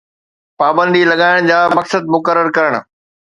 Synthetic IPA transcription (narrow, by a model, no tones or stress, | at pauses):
paːbə̃nd̪ilɐɠaːɪɽ̃d͡ʑaːmɐksəd̪̚mʊkəɾːəɾkɐɾəɽ̃̆